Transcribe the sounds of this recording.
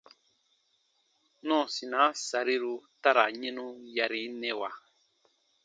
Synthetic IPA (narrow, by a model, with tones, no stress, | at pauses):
nɔ̃˦˨si˨nã˨˦sa˨ɾi˦ɾu˧ta˦ɾa˨ɲɛ̃˦nũ˦ja˨ɾi˨˦nɛ̃˧˦wa˨